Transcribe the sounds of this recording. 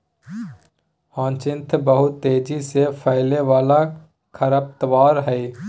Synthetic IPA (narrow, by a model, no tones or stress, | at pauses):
hãːnt͡ʃɪ̃nt̪ʰbəɦʊt̪ːeːd͡ʒisepʰəɪleʋaːla | kʰəɾəp̚t̪əʋaːɾɦɛi